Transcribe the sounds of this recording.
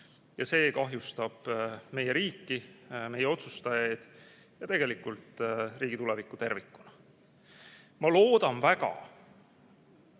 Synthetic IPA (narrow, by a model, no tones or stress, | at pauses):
jɑse̞ːkɑɦjust̪ɑb̥me̞jeɾiːkːime̞jeo̞t̪sust̪ɑjɑjd̪̥ | jɑt̪e̞ɡ̥e̞likult̪ˑriːɡ̥it̪ulɛvikːˑut̪e̞rvikːˑu̥nɑ | mɑlo̞ːd̪̥ɑnvækɑ̰